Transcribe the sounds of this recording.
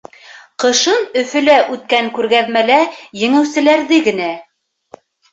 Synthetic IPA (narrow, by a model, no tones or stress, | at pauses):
qɤ̆ʃɤnɵ̆fɵ̆læʔʉt̪̚kæŋkʉɾɡæðmælæjɘ̆ŋɘ̆wsɘ̆læɾðɘɡɘ̆næ